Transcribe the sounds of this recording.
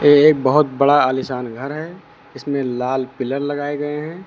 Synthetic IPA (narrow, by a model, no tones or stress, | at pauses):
eeːk̚bɐɦʊt̪̚bɐɽaaːlɪsaːnɡʱɐɾɦɛ | ɪsmẽlaːlpɪləɾlɐɡaːeɡɐeɦɛ̃ɛ̃ː